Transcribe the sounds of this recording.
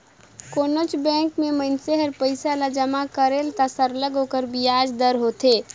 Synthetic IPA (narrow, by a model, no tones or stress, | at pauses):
konot͡ʃbɛ̃ŋkmemənseɦəɾpəɪsalad͡ʒəmakəɾelt̪asəɾləɡɦokəɾbiad͡ʒd̪əɾɦot̪e